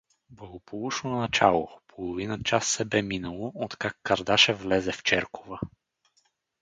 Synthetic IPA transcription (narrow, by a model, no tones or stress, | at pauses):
blˠɐɡopolˠuʃnonɐt͡ʃalˠopʰolˠovinət͡ʃasːɛbɛminəlˠoot̪kakːɐɾd̪aʃɛvlɛzɛft͡ʃɛɾkovə